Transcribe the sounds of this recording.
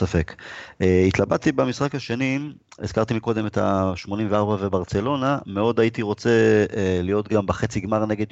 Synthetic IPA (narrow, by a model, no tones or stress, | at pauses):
safekeit̪labad̚t̪ibemisχakhaʃe̞niez̥kaʁt̪imiko̞d̪e̞met̪a̰ʃmo̞nimveaʁbavebaʁt͡se̞lo̞nameo̞dajit̪iʁo̞t͡se̞elijo̞t̪ɡambeχet͡siɡmaʁne̞ɡed̪